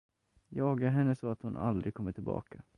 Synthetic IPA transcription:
jɑːɡaɦɛnːəsɔat̪hʊnʔa̰ld̪ɾɪɡkʰɔmːəʈʰɪlbɑ̰ːkʰa

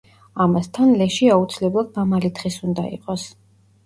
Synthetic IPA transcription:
amast̪ʰanlɛʃiaut̪sʰilɛblˠad̪̚mamalit̪ʰχisund̪aḭqʼɔs

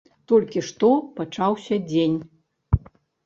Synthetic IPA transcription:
t̪ɔlʲkʲiʂt̪ɔpat͡ʂawsʲɐd͡zʲenʲ

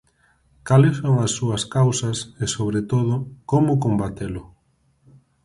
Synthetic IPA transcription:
kalɪsoŋɐsːuɐskawsɐsesoβɾet̪oð̞ʊkomʊkombat̪elʊ

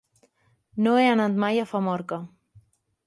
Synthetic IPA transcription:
noeanat̪majafamɔɾka

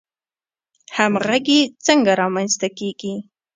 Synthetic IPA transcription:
hamɣaɡet͡səŋɡaɾɑmanst̪akeɡi

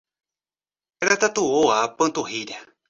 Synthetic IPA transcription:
ɾat̪at̪uoapɨ̃t̪uɦiɾa

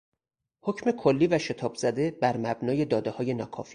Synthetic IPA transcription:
ho̞cʰme̞kʰolːiːvæʃe̞t̪ʰɒːbz̥æd̪e̞bæɾmæbnɒːje̞d̪ɒːd̪ehɒːje̞nɒːkʰɒ̰ːfiː

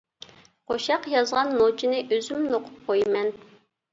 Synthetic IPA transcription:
qʰoʃɑqjɑzʁɑnːot͡ʃʰinɪʔøzymnoqʰʊp̚qʰojmɛn

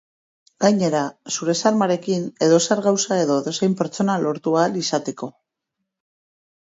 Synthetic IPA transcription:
ɡ̥ajɲe̞ɾasuɾe̞saɾmaɾe̞kine̞ðo̞saɾɣawsae̞ðo̞ðo̞se̞jmpe̞ɾt͡so̞nalo̞ɾt̪ualisat̪e̞ko̞

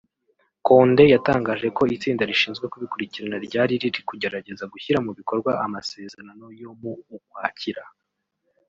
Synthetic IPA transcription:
ko̞ːnde̞jataːŋɡaːʒe̞ko̞it͡siːndaɾiʃiːnzɡwe̞kuβikuɾiciɾanaɾɟaːɾiɾiɾikuɟe̞ɾaɟe̞zaɡuçiɾamuβiko̞ɾɡwaʔamase̞ːzeɾano̞jo̞muːkwaːciɾa

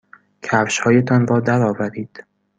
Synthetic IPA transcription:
cʰæfʃhɒːjet̪ʰɒnbɒːd̪æɾɒːvæɾiːd̪̥

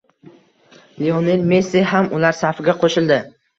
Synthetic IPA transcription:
lionelmesiɦamʊlaɾsafɪɡʲaqʰoʃɪld̪ɪ

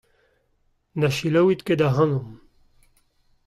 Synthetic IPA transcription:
naʃilɐwit̪ked̪aɦɐnum

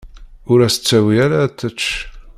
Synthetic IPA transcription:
ʊɾæsə̥t͡sːæwiæɾat̪ːət͡ʃː

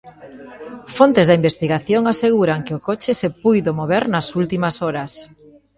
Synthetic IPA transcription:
font̪ezðɐimbest̪iɣaθjoŋaseɣ̞uɾaŋkɪʊkot͡ʃɪsepujðomoβeɾnɐsult̪imɐsɔɾɐs

